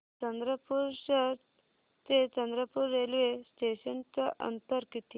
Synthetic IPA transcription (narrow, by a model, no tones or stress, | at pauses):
t͡ʃɐnd̪ɾəpuɾsəɾ | t̪et͡ʃɐnd̪ɾəpuɾːelʋesʈeːʃənt͡ɕɐʔə̰nt̪əɾkit̪i